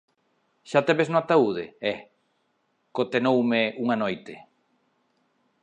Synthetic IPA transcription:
ʃat̪eβesnoat̪auðḛɛ | kot̪enowmeuŋanojt̪ɪ

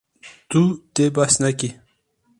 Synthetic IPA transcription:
t̪ut̪ebasnaki

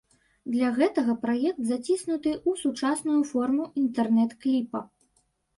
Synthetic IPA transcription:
d̪lʲaɣɛt̪ɐɣɐpɾajɛk̚t̪zat͡sʲisnut̪ɨʔusut͡ʂasnujufɔrmuʔint̪ɛrnɛt̪klʲipɐ

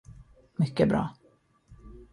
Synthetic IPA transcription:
mʏkːəbɾɑ̰ː

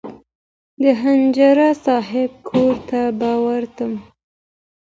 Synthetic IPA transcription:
d̪əɦand͡ʒaɾasɑɦɪb̚kʰoɾt̪abɑwaɾt̪əm

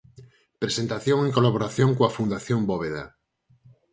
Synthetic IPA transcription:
pɾesent̪aθjoŋeŋkolaβ̞oɾaθjõŋkoafund̪aθjomboβ̞eða̰

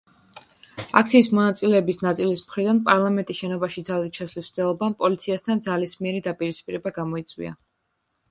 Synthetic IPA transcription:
a̰kʰt̪sʰiːsmɔnat̪sʼilɛːbisnat̪sʼilismχɾid̪anpʼaɾlˠamɛnt̪ʼisʃɛnɔbaʃid̪zalit̪̚ʃʰaslisd̪ɛlˠɔbampʼɔlit̪sʰiast̪ʰand̪zalismiɛɾid̪apʼiɾispʼiɾɛbaɡamɔit̪sʼwḭa̰

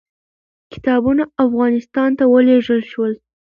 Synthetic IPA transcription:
kɪ̥t̪ɑbunaafɣɑnɪst̪ɑnt̪awəleʐəlʃwəl

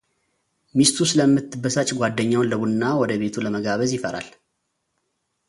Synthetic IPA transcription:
mist̪ʰusɨləmːɨt̪ːɨbəsat͡ʃʼɡʷad̪ːəɲːawnləβunːawɔd̪əβe̞t̪ʰuləməɡaβəzjɪfəɾa̰l

